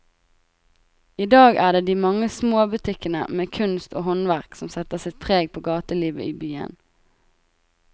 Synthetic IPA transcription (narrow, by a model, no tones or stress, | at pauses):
iːd̪ɑːɡæːd̪eːd̪iːmɑŋəsmoːbʉt̪ʰɪkənə̰meːkʰʉnst̪o̰ːhɔnʋæʁksɔmsɛt̪əʁsɪt̪̚p̪ʰʁeːɡ̚pʰoːɡɑːt̪əliːʋə̰ʔiːbyːə̰n